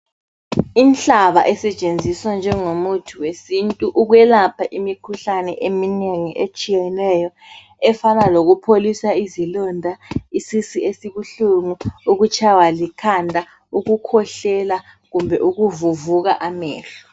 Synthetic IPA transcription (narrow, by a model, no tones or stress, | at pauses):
inɬaβaʔɛsɛt͡ʃʼend͡zʱiswand͡ʒʱɛŋomutʰuwesintʼuʔuɣwɛlapʰaʔimikʰuɬanɛʔemineŋiʔet͡ʃʼijɛnɛjɔ | ɛfanaloɣupʰolisaizilɔndʱaisisiesiβuɬuŋuuɣut͡ʃʰʼawalikʰandʱa | uɣukʰɔɬɛla | ɣumbʱɛʔuɣuvuvuɣaʔamɛ̰ːɬɔ̥